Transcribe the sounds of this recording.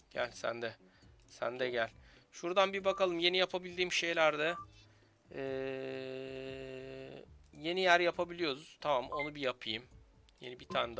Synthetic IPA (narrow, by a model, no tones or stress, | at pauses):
ɟ̥æ̰lʲsæ̰nd̪ɛ | sæ̰nd̪ɛɟælʲʃuɾd̪anbibakalˠɯmje̞nijapʰabilʲd̪iːmʃe̞jlʲæɾd̪a | ɛː | je̞nijæɾjapʰabilʲijo̞ɾuz̥t̪ʰamamo̞nubijapʰɯjɯm | jḛnibit̪ʰaːnd̪a